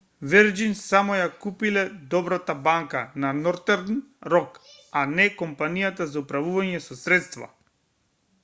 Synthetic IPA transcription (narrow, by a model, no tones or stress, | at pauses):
vɛɾd͡ʒinsamɔjakupilɛd̪ɔbɾat̪abaŋkananɔɾt̪ɛɾnɾɔkanɛkɔmpanijat̪azaupɾavuvaɲɛsɔsɾɛt̪st̪va̰